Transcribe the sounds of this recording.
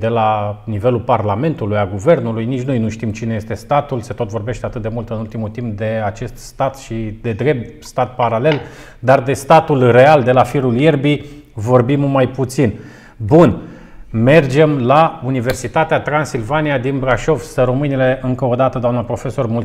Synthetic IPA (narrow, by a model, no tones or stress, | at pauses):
d̪e̞lanive̞lulparlame̞nt̪ulujalɡuve̞rnulujnit͡ʃʲno̞jnuʃt̪imt͡ʃine̞je̞st̪e̞st̪at̪ulse̞t̪o̞t̪vo̞rbe̞ʃt̪eat̪ɨt̪̚d̪e̞mult̪ɨnult̪imut̪imp̚d̪e̞at͡ʃe̞st̪st̪at̪ʃid̪e̞d̪ɾe̞p̚t̪st̪at̪̚paɾale̞l | d̪ard̪e̞st̪at̪ulre̞ald̪e̞lafiɾulje̞rbi | vo̞rbimːajput̪sin | bun | me̞rd͡ʒe̞mlaunive̞rsit̪at̪eat̪ɾansilvanijad̪inbɾaʃo̞vsəɾo̞mɨnile̞ɨŋkəo̞d̪at̪əd̪oamnəpɾo̞fe̞so̞rmul